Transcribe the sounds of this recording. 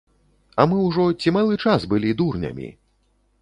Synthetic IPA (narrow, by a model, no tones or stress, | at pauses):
ɐmɨwʐɔt͡sʲimalˠɨt͡ʂasbɨlʲid̪urnʲɐ̰mʲḭ